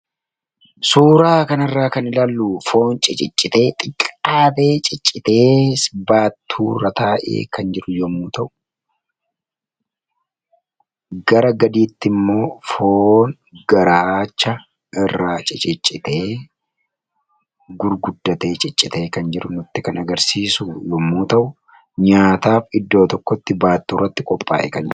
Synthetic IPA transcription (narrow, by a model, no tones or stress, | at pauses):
suːɾaːkɐnɪrːaːkɐnɪlaːlːuːfo̞ːnt͡ʃʼɪt͡ʃʼɪt͡ʃʼːɪt̪e̞ːt̪ʼɪkʼːaːt̪e̞ːt͡ʃʼɪt͡ʃʼːɪt̪e̞ːsbaːt̪ʰːuːɾɐt̪aːʔḛːkʰɐnd͡ʒɪɾʊjɔmuːt̪ɐʔʊ̥ | ɡɐɾɐɡɐd̪iːt̪ːɪmːo̞ːfoːn | ɡ̥ɐɾaːt͡ʃːɐ | ʔɪrːaːt͡ʃʼɪt͡ʃʼɪt͡ʃʼːɪt̪e̞ː | ɡʊɾɡʊd̪ːɐt̪e̞ːt͡ʃʼɪt͡ʃʼːɪt̪e̞ːkɐnd͡ʒɪɾʊnʊt̪ːɪkɐnɐɡɐɾsiːsujɔmːuːt̪ɐʔʊ | ɲaːt̪aːfɪd̪ːoːt̪ɔkːɔt̪ːɪbaːt̪ːuːrːɐt̪ːɪkʼɔpʼːa̰ːʔɛ̰kɐnd͡ʒɪɾ